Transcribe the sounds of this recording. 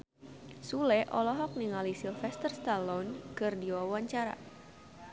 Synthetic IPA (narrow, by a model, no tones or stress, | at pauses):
sulɛʔɔlɔɦɔk̚niŋalisilfɛst̪ərst̪alɔnkɨrdiwawaɲt͡ʃaɾa̰